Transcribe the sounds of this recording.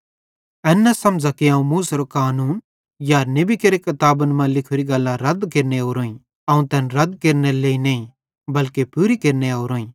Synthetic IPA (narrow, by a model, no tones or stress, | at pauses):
ɛːnːasɐmd͡ʒakiãːũmuːsɾokaːnuːn | jaɾnebikeɾekɐt̪aːbənmãlɪkʰʊɾiɡɐlːãɾɐd̪keːɾneoːɾõːĩ | ɐũt̪ɛːnɾɐd̪keːɾneleːinɐːĩ | bɐlkepuːɾikeɾneoːɾɦoːĩː